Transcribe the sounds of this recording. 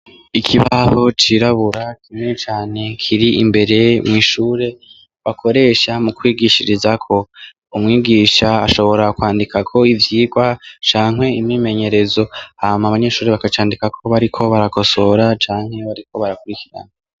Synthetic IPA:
ikʰiβaho̞t͡ʃiɾaβuɾakʰimŋet͡ʃaːne̞kʰiɾiʔimbe̞ɾe̞mŋiːʃuːɾe̞ | βakʰo̞ɾe̞ːʃamukwiːɡiʃiɾizakʰo̞ | umŋiːɡiʃa̰ːʃo̞βo̞ɾakwaːndikʰakʰo̞ivjiːɡwat͡ʃaːŋɦhe̞imime̞ɲe̞ɾe̞zo̞haːmaβaɲe̞ʃuːɾeβakat͡ʃaːndikakʰo̞βaɾikʰo̞βaɾako̞so̞ɾat͡ʃaːŋ̥he̞βaɾikʰo̞βaɾakuɾikiɾa̰na

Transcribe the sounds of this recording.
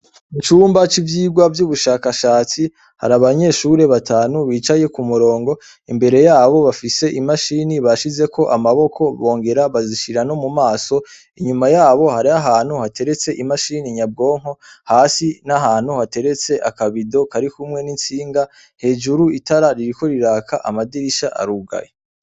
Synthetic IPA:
it͡ʃuːmbat͡ʃivjiːɡwavjuːβuʃaːkaʃaːt͡si | ha̰ɾaβaɲe̞ʃuɾe̞βatʰaːnuβiːt͡ʃaje̞kumuɾo̞ːŋɡo̞ | imbe̞ɾe̞jaːβo̞βafise̞ʔimaʃiniβaʃize̞kʰo̞ʔamaβo̞kʰo̞βo̞ːŋɡe̞ɾaβaziʃiɾano̞mumaːso̞ | iɲumajaːβo̞haɾiaɦaːn̥huhatʰe̞ɾe̞t͡se̞ʔimaʃiniɲab̚ɡo̞ːŋ̥ho̞haːsinaɦaːn̥huhate̞ɾe̞t͡se̞ʔakaβido̞kaɾikumŋe̞nint͡siːŋɡa | he̞ːd͡ʒuɾuitaɾaɾiɾiko̞ɾiɾaːkʰaʔamadiɾiʃaʔa̰ɾuɡa̰je

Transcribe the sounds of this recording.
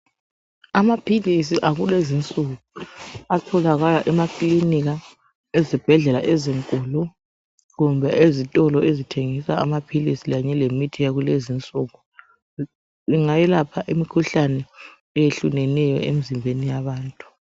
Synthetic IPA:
amapʰilis̬iʔaɣulezint͡sʼuɣuatʰɔlaɣalaʔɛmakʼliniɣa | ezib̥ʱɛɮɛlaʔeziŋkʼuːlu | ɣumbʱɛʔezitʼɔlɔezitʰeŋisaamapʰilisiɣaɲɛlemitʰijaɣulezint͡sʼuɣu | iŋajɛlapʰaʔimikʰuɬanɛː | jeɬunɛnɛjɔ̰emizimbʱenijaβaːntʼu̥

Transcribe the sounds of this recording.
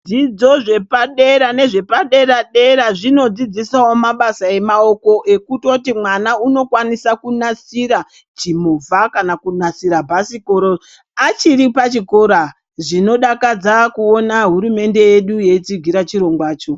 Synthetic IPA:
d͡zid͡zo̞ʐe̞paɗe̞ɾane̞ʐe̞paɗe̞ɾaɗeɾaʐino̞d͡zid͡zisawo̞maɓasae̞maoko̞ʔe̞kuto̞timwanauno̞kwanisakunasiɾa | t͡ʃimovʱakanakunasiɾabʱasiko̞ɾo | at͡ʃiɾipat͡ʃiko̞ɾa | ʐino̞ɗakad͡zakuo̞naɦuɾume̞nde̞jeɗuje̞it͡siɡʱiɾat͡ʃiɾo̞ŋɡwaːt͡ʃo̞

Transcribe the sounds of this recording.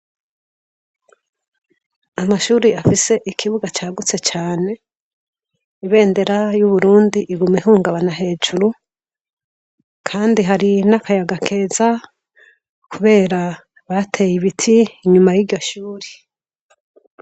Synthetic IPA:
amaʃuːɾiafise̞ʔikʰiβuɡat͡ʃaːɡut͡se̞t͡ʃaːne̞ | iβe̞ːnde̞ɾajuβuɾuːndiʔːɡumehuːŋɡaβanaɦe̞ːd͡ʒuɾu | kʰaːndiɦaɾinakajaɡakʰe̞ːza | kʰuβe̞ːɾa | βatʰe̞jiβitʰiːɲumajiɾjo̞ʃuːɾi̥

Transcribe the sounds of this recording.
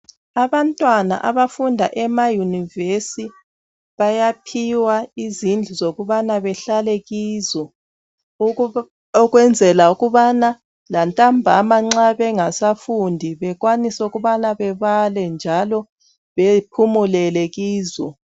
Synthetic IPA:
aβantʼwana̰ʔa̰βafundʱa̰ʔɛmajunivesi | βajapʰiwaizind͡ɮʱuzoɣuβanaβɛɬalɛɣiːzɔ | ɔɣwɛnd͡zʱɛlauɣuβana | lantʼambʱamaŋ͡ǁaβɛŋasafundʱiβɛɣwanisɛuɣuβanaβɛβalɛnd͡ʒʱalɔ | βɛpʰumulɛlɛɣiːzɔ̰

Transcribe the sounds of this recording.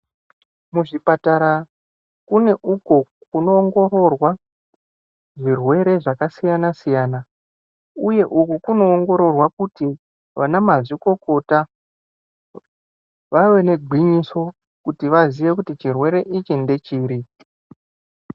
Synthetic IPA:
muʐipataɾa | kune̞ʔuko̞ | kuno̞ːŋɡo̞ɾo̞rwa | ʐirwe̞ɾe̞ʐakasijanasijaːna | uje̞ʔukukuno̞ːŋɡo̞ɾo̞rwakuti | ʋanamaziko̞ko̞ta | ʋawe̞ne̞ɡʱwiɲiso̞ | kutiʋaziʋe̞kutit͡ʃirwe̞ɾe̞ʔit͡ʃinde̞t͡ʃiːɾi

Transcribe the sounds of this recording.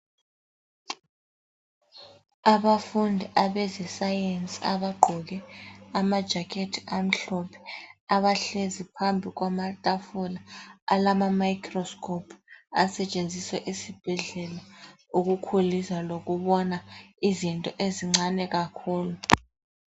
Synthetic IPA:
aβafundʱiʔaβɛzɛsajent͡sʼia̰βaɡ͡ǃʱɔɣɛamad̥ʒ̥ʱakʰetʰi̥am̩ɬɔpʰɛ̥aβaɬezipʰambʱiɣwamaltʼafɔlaalamamajikʰʼrɔskʰʼɔpʰasɛt͡ʃʼend͡zʱiswɛʔisib̥ʱɛɮɛla | uɣukʰulizaloɣuβɔnaizintʼɔʔeziŋ͡ǀanɛɣakʰuːlu

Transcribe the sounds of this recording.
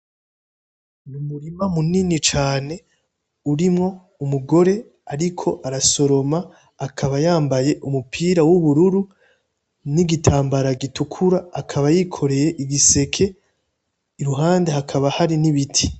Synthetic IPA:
numuɾimamuninit͡ʃaːne̞ | uɾimŋo̞ | umuɡo̞ɾe̞ | aɾikʰo̞ʔaɾaso̞ɾo̞maː | kʰaβajaːmbaje̞ʔumupʰiːɾawuβuɾuɾu | niɡitʰaːmbaɾaɡitukʰuɾaːkʰaβajiːkʰo̞ɾe̞je̞ʔiɡise̞kʰe̞ː | ɾuɦaːnde̞ɦakʰaβahaɾiniβitʰi̥

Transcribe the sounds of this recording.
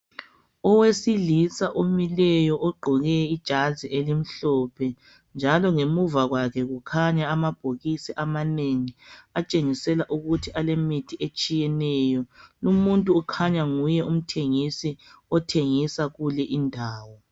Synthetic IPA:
ɔwesilisaʔomilɛjɔʔɔɡ͡ǃʱɔɣɛid̥ʒ̥ʱaziʔelim̩ɬɔpʰɛ | nd͡ʒʱalɔŋemuvaɣwakʰɛɣukʰaɲaːmab̥ʱoɣisiʔamaneŋiat͡ʃʼeŋisɛlaʔuɣutʰiʔalemitʰiet͡ʃʼijɛnɛjɔlumuntʼuːkʰaɲaŋujɛum̩tʰeŋisiɔtʰeŋisaɣulɛʔindʱaːwɔ

